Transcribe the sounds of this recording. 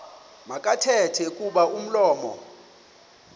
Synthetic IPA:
makʼatʰɛtʰɛkʼuɓaum̩lɔːmɔ̰

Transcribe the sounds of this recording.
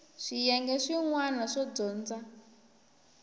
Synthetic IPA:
ʂijɛŋɡɛʂiŋwanaʂɔd͡zɔːnd͡za

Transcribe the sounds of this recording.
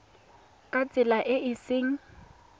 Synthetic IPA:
kʼat͡sʼɪlaʔɪʔɪsɪːŋ̩

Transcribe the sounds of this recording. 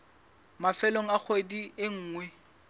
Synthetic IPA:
mafɛloŋ̩ak͡xʰediɪŋ̩ːŋwɛ

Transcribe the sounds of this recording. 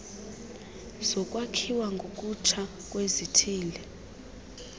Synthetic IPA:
z̥ɔkʼwakʰiwaŋɡʱokʼut͡ʃʰa | k̬ʼwezitʰiːlɛ

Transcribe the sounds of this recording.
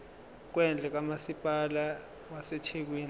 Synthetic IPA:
k̬wɛnd͡ɮʱɛk̬amasipʼala | waset͡ʃʰek̬wiːn

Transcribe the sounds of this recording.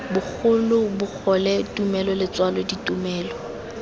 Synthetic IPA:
bʊk͡xʰʊlʊbʊk͡xʰɔlɛtʼumɛlɔlɪt͡swalɔditʼumɛːlɔ

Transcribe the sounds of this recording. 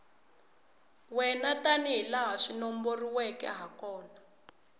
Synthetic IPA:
wɛnataniɦilaɦaʂinɔmboriwɛkɛ̰ɦakɔːna

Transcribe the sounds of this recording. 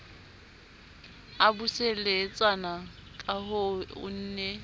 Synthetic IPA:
abuselet͡sʼanakʼahʊʊ̰n̩ːne

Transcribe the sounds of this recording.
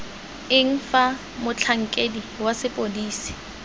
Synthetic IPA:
ɪŋ̩fa | mʊt͡ɬʰaŋ̩kʼediwasɪpʼodiːsi̥

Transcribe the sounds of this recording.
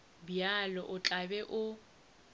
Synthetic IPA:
bjalɔʔʊt͡ɬʼabɛʔʊ

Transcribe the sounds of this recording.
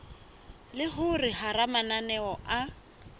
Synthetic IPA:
lɪɦʊrɪharamananɛɔʔa

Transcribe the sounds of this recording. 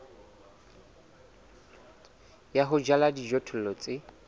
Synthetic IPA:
jaɦʊd͡ʒaladid͡ʒɔtʰʊl̩lɔt͡sʼɪ

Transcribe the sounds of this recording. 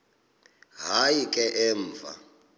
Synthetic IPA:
ɦajikʼɛʔɛːɱ̩ːfa̰

